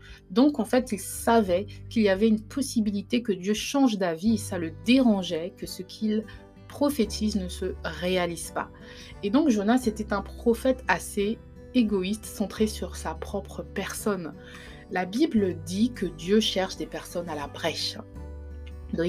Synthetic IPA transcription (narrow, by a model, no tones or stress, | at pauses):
d̪ɔ̃kɑ̃fɛt̪ilsavɛkʲiliavɛynpʰɔsibilit̪ekəd̪jøʃɑ̃ʒd̪aviesaləd̪eʁɑ̃ʒɛkəsəkʲʰil | pχɔfet̪ʰiznəsəʁealiz̥pa̰ | ed̪ɔ̃kʒonaset̪ɛt̪ɛ̃pχɔfɛt̪ase | eɡɔist̪sɑ̃t̪χesyʁsapχɔpχəpɛʁsɔn | labibld̪ikəd̪jøʃɛʁʃd̪epɛʁsɔnalabʁɛʃ